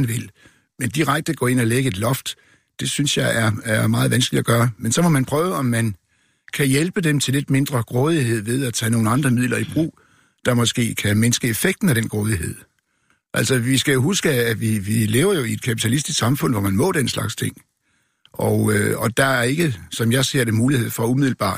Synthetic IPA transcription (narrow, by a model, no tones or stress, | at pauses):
nʋe̝l | mend̥iʁaɡ̥̚d̥əɡ̥ɔ̰ːe̝n̰ɒ̽leɡ̥əe̝d̥lɒ̽fd̥ | d̥e̝synsjɑ̈ɪʔæɐæɐmɑ̈ːð̩ˠʋænsɡ̥əlidæɡ̥ɶːɐmensɒ̽mɒ̽mænpʰʁœːʊəɒ̽mːæn | kʰæjelb̥əd̥emt͡sʰele̝d̥me̝nd̥ʁɐɡ̥ʁɔːð̞ˠiɦe̝ð̰ˠʋe̝ð̞ˠæt͡sʰɛ̰no̝ːn̩ɑ̈nd̥ʁɐmiðˠlʔɐib̥ʁṵː | d̥ɑ̈mɒ̽sɡ̥e̝̰ːkʰæmensɡ̥əe̝feɡ̥̚d̥n̩æɾ̥enɡ̥ʁɔːðˠiɦe̝ð̞̰ˠ | ʔæl̰sɒʋisɡ̥æjo̝ɦusɡ̥əæʋiʋile̝ːʊɐjo̝ie̝d̥kʰæpʰi̥t͡sʰælisd̥isksɑ̈mfɔ̽n̰ʋɒmænmɔ̰̽ːɾ̥enslɑ̈ɡ̥st͡sʰe̝ŋ̰ | ɒʊɒd̥ɑ̈æɐe̝ɡ̥əsɒ̽mjɑ̈ɪse̝ɐ̰ɾ̥emuːlihe̝ð̞̰ˠfɒ̽umiðˠl̩b̥ɑ̰̈ː